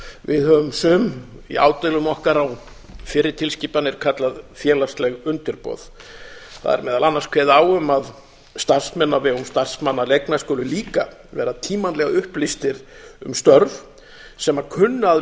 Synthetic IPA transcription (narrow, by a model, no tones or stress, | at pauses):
vɪðhœvʏmsʏːmḭa̰ːwt̪ɪlʏmɔhkaɾaw | fɪɾɪt̪ʰɪlsciːpanɪɾ̥kʰat̪laðfjɛːlast̪lɛɣʏnt̪ʏɾpɔ̰ːð | θa̰ðɛ̰ɾmɛːðalanːaɾ̥skʰvɛːðaːwʏmað | st̪ar̥smɛnːavɛɣʏmst̪ar̥smanːalejknaskœːlʏliːka | vɛ̰ːɾat̪ʰiːmanlɛɣaʏhplist̪ɪɾʏ̰mst̪œɾv | sɛmaɾkʰʏnːʏað